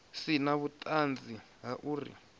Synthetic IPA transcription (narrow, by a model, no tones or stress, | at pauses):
sinaβutʼand͡zi | ɦaʔuːrḭ